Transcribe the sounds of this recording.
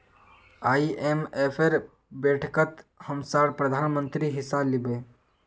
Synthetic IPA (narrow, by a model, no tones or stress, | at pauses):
aːiʔemepʰeɾ | beʈʰkət̪həmsaɽpɾəd̪ʱaːnmənt̪ɾiɦɪsalibe